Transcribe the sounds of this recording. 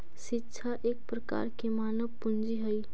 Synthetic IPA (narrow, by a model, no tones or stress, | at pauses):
ʃɪtːʃʰaʔeːk̚pɾəka̰ːɾkemaːnəbpʊnd͡ʒiɦəi